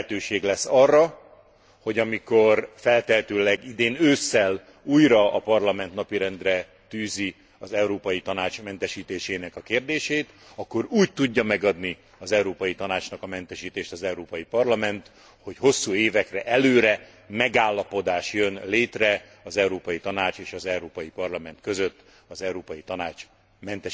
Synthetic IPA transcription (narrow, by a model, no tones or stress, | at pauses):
t̪øːʃeːɡlɛsːɒrːɒ | ho̞ɟɒmiko̞rfɛlt̪ɛɦt̪øːlɛɡid̪eːnøːsːɛl | uːjɾɒɒpɒrlɒmɛnt̪nɒpiɾɛnd̪rɛ | t̪yːzi | ɒzɛuɾoːpɒjit̪ɒnaːt͡ʃmɛnt̪ɛʃiːt̪eːʃeːnɛkɒkeːrd̪eːʃeːt̪ɒkːo̞ɾuːc̚t̪uɟːɒmɛɡɒd̪ni | ɒzɛwɾoːpɒjit̪ɒnaːt͡ʃnɒkɒmɛnt̪ɛʃiːt̪eːʃt̪ɒzɛwɾoːpɒjipɒrlɒmɛnt̪ | ho̞cho̞sːuːeːvɛkrɛʔɛløːɾɛ | mɛɡaːlːɒpo̞d̪aːʃjønleːt̪rɛ | ɒzɛuɾoːpɒjit̪ɒnaːt͡ʃeːʃɒzɛwɾoːpɒjipɒrlɒmɛnt̪køzøt̪ː | ɒzɛwɾoːpɒjit̪ɒnaːt͡ʃ | mɛnt̪ɛ